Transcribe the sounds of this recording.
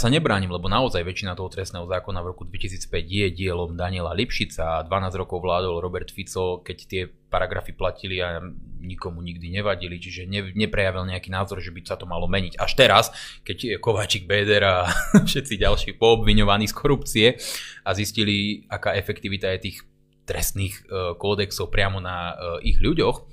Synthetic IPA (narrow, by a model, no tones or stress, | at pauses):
saɲɛbɾaːɲimlɛbɔnaɔzajʋɛt͡ʃinat̪ɔɦɔt̪ɾɛstnɛːɦɔzaːkɔnavɾɔkud̪ʋɛcis̬iːt͡spɛɟjɛɟɪɛlɔmd̪aɲɪɛlalipʃit͡sad̪ʋanaːzɟɾɔkɔʊʋlaːd̪ɔlɾɔbɛɾt̪fit͡sɔkɛct̪ɪɛ | paɾaɡɾa̰fiplaciliaɲikɔmuɲiɡd̪iɲɛʋaɟilit͡ʃiʒɛɲɛɲɛpɾɛjaʋilɲɛakiːnaːzɔɾʒɛbisat̪ɔmalɔmɛɲiɟaʃt̪ɛɾaskɛckɔʋaːt͡ʃiɡ̚bɛːd̪ɛɾafʃɛt̪t͡siɟalʃiːxpɔːbʋiɲɔʋaniːskɔɾupt͡siɛazisciliakaːɛfɛkt̪iʋit̪ajɛt̪iːx | t̪ɾɛst̪niːxkɔːd̪ɛksɔʊpɾɪamɔnaḭɣʎuɟɔx